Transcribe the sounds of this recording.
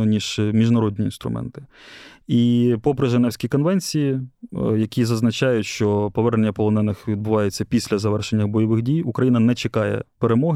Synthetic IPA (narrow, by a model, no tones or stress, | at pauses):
ɔnʲiʒ̥mʲiʒnɐɾɔdʲnʲiinst̪ɾʊ̰mʔɛ̰nt̪ɪ̥ | ipɔpɾɪʒenɛwsʲkʲikɔnʋɛnʲt͡sʲijijɐkʲizɐznɐt͡ʃɑjʊtʲʃt͡ʃɔpɔʋɛrnenʲːɐpɔlˠɔnɛnɪxʋʲid̪bʊʋɑjet͡sʲːɐpʲisʲlʲɐzɐʋɛrʃe̞nʲːɐbɔjɔʋɪxdʲijukɾɐjinɐnɛt͡ʃekɑjɛ̰peɾemɔɦ